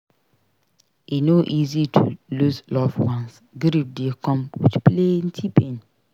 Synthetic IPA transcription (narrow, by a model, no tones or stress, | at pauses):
inoʔizitʰṵluslɔfwãns | ɡɾip̚dekɔ̃mwḭt͡ʃplen̩tʰipẽn